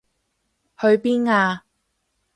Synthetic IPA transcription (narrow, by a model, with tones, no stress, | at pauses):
hɵ˧ɥpiː˥nŋaː˧